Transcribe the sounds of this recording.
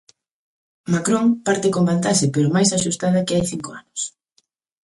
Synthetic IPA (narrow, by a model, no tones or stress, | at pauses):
makɾoŋpaɾt̪ɪkombant̪aʃɪpeɾʊmajsaʃust̪aðɐkɪajθiŋkoanʊs